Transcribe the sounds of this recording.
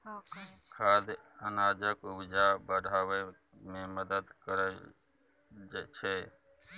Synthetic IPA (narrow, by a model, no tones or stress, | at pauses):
kʰaːd̪ənaːd͡ʒəkʊbd͡ʒabəɽʱaːwe | mẽməd̪əd̪kəɾə | t͡ʃʰɛ